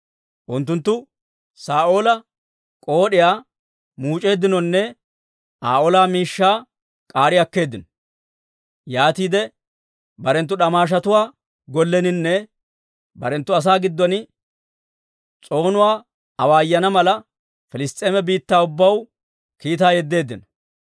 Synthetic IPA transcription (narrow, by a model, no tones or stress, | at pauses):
ʔʊnt̪ːʊnt̪ːʊ | saːʔo̞ːlɐ | kʼo̞ːɗɪjaː | muːt͡ʃʼe̞ːd̪ːɪnɔnːɛ | ʔaːʔoːlaːmiːʃːaː | kʼaːɾɪjɐkːe̞ːd̪ːɪnɔ̥ | jaːt̪iːd̪ɛ | bɐɾɛnt̪ːʊɗɐmaːʃ̬ɐt̪ʊwaː | ɡɔlːɛnɪnːɛ | bɐ̰ɾɛnt̪ːʊɐs̬aːɡɪd̪ːɔnɪ | t͡sʼo̞ːnʊwaː | ɐwaːjːɐnɐmɐlɐ | fɪlɪst̪ʼːe̞ːmɛbiːt̪ːaːʊbːɐw | kiːt̪aːjɛd̪ːe̞ːd̪ːɪnɔ̥